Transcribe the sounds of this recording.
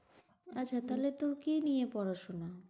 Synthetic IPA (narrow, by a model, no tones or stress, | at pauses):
at͡ɕʰat̪alet̪oɾkinijepɔɾaʃona